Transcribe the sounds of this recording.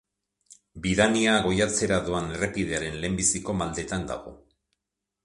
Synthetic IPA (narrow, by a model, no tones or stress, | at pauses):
biðaniaɣ̞o̞jat͡se̞ɾaðuane̞repiðe̞aɾe̞nle̞ːmbisiko̞mald̪e̞t̪and̪a̰ɣo̞̰